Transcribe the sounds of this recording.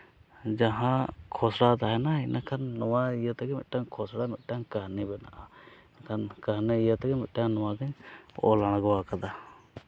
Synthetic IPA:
d͡ʒaɦãkʰɔsɽat̪aɦɛnainʔakʰanːɔwaijət̪aɡɛmḭt̪̚ʈaŋkʰɔsɽamɛt̪̚ʈaŋkaɦnibɛna̰ʔa | nakʰankaɦniijət̪ɛɡɛmit̪̚ˀʈaŋnɔwaɡəɲɔ̰laɽ̃ɡɔwakad̪a

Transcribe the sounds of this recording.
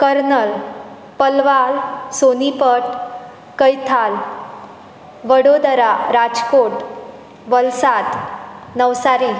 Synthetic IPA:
kəɾnəl | pəlʋalsonipəʈ | kəjt̪ʰal | ʋəɽod̪əɾaɾad͡zkoʈ | ʋəlsat̪nəʋsaɾi

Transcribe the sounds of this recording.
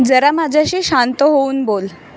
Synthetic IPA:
d͡zəɾamad͡ʑʱjaɕiːɕant̪əɦouːnbol

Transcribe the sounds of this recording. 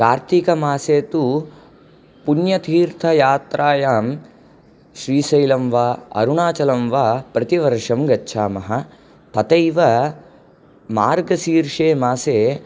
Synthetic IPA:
kaːɾt̪ikɐmaːseːt̪u | punjɐt̪ʰiːɾt̪ʰɐjaːt̪ɾʔaːjaːm | ʃɾiːsɐjlɐmʋaːɐ̰ɾuɳaːt͡ʃɐlɐmʋaːpɾɐt̪iʋɐɾʂɐmɡɐtːʃʰaːmɐɦɐ | p̪ɐt̪ɐjʋɐ | maːɾɡɐsiːɾʂeːmaːseː

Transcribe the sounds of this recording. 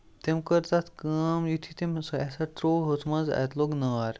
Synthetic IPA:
t̪emkəɾt̪at̪ʰkamjut̪ʰit̪emsasaʈ̪ɾoɦot̪ʰmaza̰t̪loɡnəʋaɾ

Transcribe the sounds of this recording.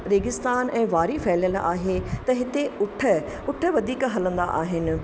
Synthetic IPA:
ɾeːɡɪst̪aːnɛ̃ːʋaːɾifɛːljəla̰ːɦet̪ɐɦɪt̪eʊʈʰə | ʊʈʰə̆ʋɐd̪ʱiːkɦɐlə̃nd̪a̰ʔaːɦɪnɪ̆

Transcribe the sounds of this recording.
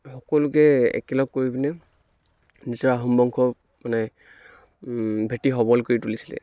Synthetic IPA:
xɔkɔlʊkɛɛ̰kɛlɔɡ̚kːoɹibinɛ | nizɔɹaɦumbɔŋkʰɔp | manɛ | bʱetiɦɔbɔlkoɹitulisilɛ̰

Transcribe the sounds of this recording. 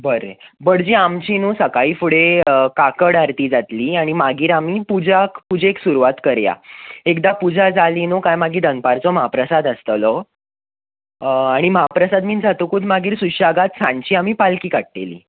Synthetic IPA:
bəɾḛbəɽd͡ʑiːamt͡ɕinusəkaiːfuɽekakəɽaɾt̪iːd͡zat̪liːaɽ̃imaɡiːɾamipud͡ʑakpud͡ʑeːksuɾuʋat̪kəɾja̰ekd̪apud͡zʱad͡zalinukajmaɡiːd̪ənpaɾt͡sɔməɦapɾəsad̪əst̪əlɔ | aɽ̃iməɦapɾəsad̪miːnd͡zʱat̪ukuːd̪maɡiːɾsuɕaɡat̪sãɳt͡ɕiːamiːpalkiːkaʈ̚ʈ̪ḛlḭː

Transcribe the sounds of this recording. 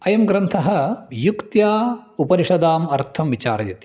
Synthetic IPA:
ɐjɐmɡɾɐnt̪ʰɐɦɐ̆jukt̪jaːupɐɾiʂɐd̪aːmɐɾt̪ʰɐmʋit͡ʃa̰ːɾɐjɐt̪i̥

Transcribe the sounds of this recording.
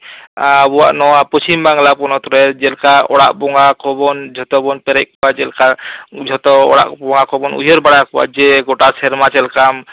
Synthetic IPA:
abuwa̰ʔnɔwapɔst͡ʃimbaŋlapɔnɔt̪ɔɾɛd͡ʒɛlkaʔɔɽa̰ʔbɔŋakɔbɔnd͡ʒʱɔt̪ɔbɔnpɛɾɛʔ̚kɔwad͡ʒɛlkad͡ʒʱɔt̪ɔɔ̰ɽa̰ʔbɔŋɡakɔbɔnṵjɔɾbaɽakɔa̰ʔd͡ʒɛɡɔʈasɛɾmat͡ʃɛlkam

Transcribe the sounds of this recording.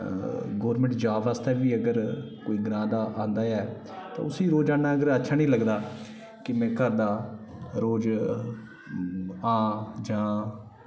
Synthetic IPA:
ɡoːɾmɛ̃ɳʈd͡ʒaːʋaːst̪ɛːʋiːəɡəɾkoːiːɡɪnãːd̪aːʔãːnd̪aːɛː | t̪ã̰ːʊsĩːɾoːd͡ʒaːnaːəɡəɾətːʃʰaːnĩːləɡd̪aː | kɪmɛ̃ːkəɾd̪aːɾoːd͡ʒ | ãːd͡ʒãː

